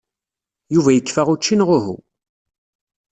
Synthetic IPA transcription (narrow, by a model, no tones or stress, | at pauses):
juvæjəkːfaʁut͡ʃːinʁʊɦṵ